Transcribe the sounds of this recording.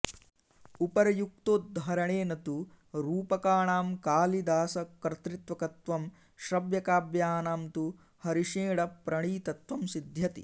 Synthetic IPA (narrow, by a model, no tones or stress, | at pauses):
upɐɾɐjuk̚t̪oːd̪ɦɐɾɐɳeːnɐt̪u | ɾuːpɐkaːɳaːmkaːlid̪aːsɐkɾt̪ɾit̪ʋɐkɐt̪ʋɐm | ʃɾɐbjɐkaːbjaːnaːmt̪u | hɐɾiʃeːɽɐpɾɐɳiːt̪ɐt̪ʋɐmsid̪ʱjɐt̪ḭ